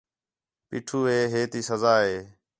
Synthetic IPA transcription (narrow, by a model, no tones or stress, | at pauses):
pḭːʈʰuːɦeːɦeːt̪iːsəzaːɦeː